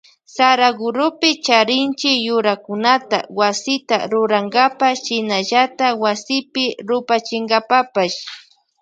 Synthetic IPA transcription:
saɾaɡʊɾʊpɪt͡ʃaɾɪnt͡ʃɪjʊɾakʊnat̪a̰wasɪt̪a̰ɾʊɾaŋɡapaʃɪnaʎat̪awasɪpɪɾʊpat͡ʃɪŋɡapapaʃ

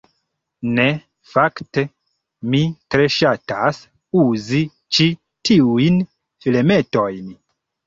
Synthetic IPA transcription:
ne | fakte | mitɾe̞ʃatas | uzi | t͡ʃi | tʰiujn | fileme̞to̞jn

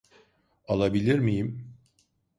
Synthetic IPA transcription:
alˠabilʲiɾmijim

